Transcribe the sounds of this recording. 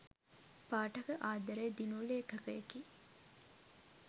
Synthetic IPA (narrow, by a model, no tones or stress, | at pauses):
paːʈɐkəʔaːd̪ɐɾed̪inuleːkɐkəeki